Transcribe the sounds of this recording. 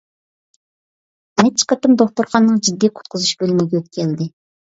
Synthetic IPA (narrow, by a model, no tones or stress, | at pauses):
nɛt͡ʃʰi̥qʰɑt̪ɨmd̪oχt̪uɾqʰɑnːɨŋd͡ʒid̪ːijqʰʊ̥t̪̚qʰʊzuʃb̥ølymɪɡʲɛøt̪̚kʲʰɛld̪ɪ